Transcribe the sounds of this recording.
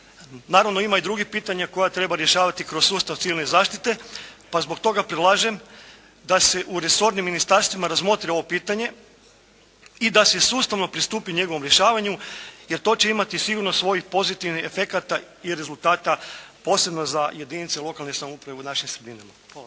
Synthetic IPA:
naːɾaʋno̞imaid̪ɾuɡipiːt̪aɲako̞jat̪ɾe̞baɾje̞ʃaːʋat̪ikɾo̞ssuːst̪aʋt̪siʋilnezaːʃt̪i̥t̪e̞pazbo̞k̚t̪o̞ɡapɾedlˠaːʒe̞m | d̪ase̞ʔuɾe̞so̞ɾnimːinist̪aɾst̪ʋimaɾazmo̞t̪ɾeo̞ʋo̞piːt̪aɲe̞ | id̪asesuːst̪aʋno̞pɾist̪uːpiuɲe̞ɡoʋo̞mɾje̞ʃaːʋaɲuje̞ɾt̪o̞ːt͡ɕe̞imat̪isiɡuɾno̞sʋo̞jixpo̞zit̪iʋniefe̞kat̪a | iɾe̞zulˠt̪aːt̪apo̞ːse̞bno̞zaje̞d̪init̪selˠo̞kalnesamoupɾaʋeunaʃimsɾed̪inama | al

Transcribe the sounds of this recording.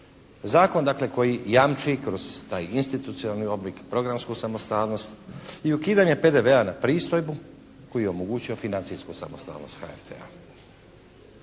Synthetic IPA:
zaːko̞nd̪akle̞ko̞jijamt͡ʃikɾo̞z̥t̪aːjinst̪it̪ut̪sioalˠnio̞blikpɾo̞ɡɾamskusamo̞st̪aːlno̞st̪iukiːd̪aɲepe̞d̪e̞ʋeanapɾiːst̪o̞jbu | ko̞jijeomoɡuːt͡ɕio̞finant̪siskusa̰most̪a̰ːlno̞̰st̪xa̰ḛɾt̪ʰḛa̰

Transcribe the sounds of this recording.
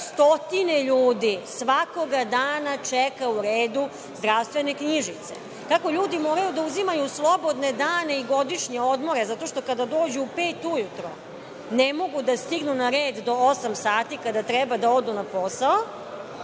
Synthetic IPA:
st̪o̞t̪ineʎuːd̪isʋako̞ɡad̪aːnat͡ʃɛkauɾeːd̪u | zd̪ɾaʋst̪ʋe̞ne̞kɲiʒit̪se̞̰ | kako̞ʎuːd̪imo̞ːɾajud̪auzimajuslˠobo̞d̪ne̞d̪aːne̞iɡo̞d̪iʂɲeo̞d̪mo̞ɾe̞zat̪o̞ʃt̪o̞kad̪ad̪o̞ːd͡ʑuːpeːt̪ujut̪ɾo̰ | nemo̞ɡud̪ast̪iɡnunaɾeːd̪d̪o̞osamsaːt̪ikad̪at̪ɾɛbad̪ao̞d̪unapo̞sao

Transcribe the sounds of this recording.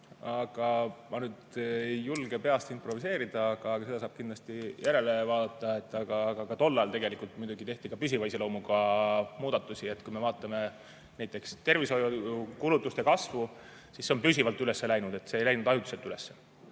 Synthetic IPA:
ɑɡ̥ɑmɑnyːd̪julɡe̞pe̞ɑst̪impro̞vise̞ːɾid̪̥ɑɑɡ̥ɑːkɑse̞d̪ɑsɑːb̥kind̪lɑst̪ijæɾe̞le̞vɑːd̪ɑt̪ːˑɑe̞t̪ːˑɑɡ̥ɑɡɑkɑt̪o̞lːɑjɑlt̪e̞ɡe̞likˑult̪mujd̪uɡ̥it̪e̞ht̪ikɑpysʲivɑjselo̞wmuɡɑmuːd̪̥ɑt̪ˑːusʲie̞t̪ːkujme̞vɑːt̪ˑːɑme̞ | næjt̪ˑːe̞kst̪e̞rviso̞jukulut̪ːˑust̪e̞kɑsvu | sisːeo̞mpysʲivɑlt̪ːˑyle̞sːe̞læjnud̪̥e̞t̪ːseːjlæjnud̪̥ɑjut̪ːˑu̥se̞t̪ːˑylesːe

